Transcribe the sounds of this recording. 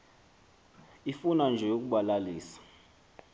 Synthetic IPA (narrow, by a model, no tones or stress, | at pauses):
ifunand͡ʒʱɛok̬ʼuɓalaliːsḁ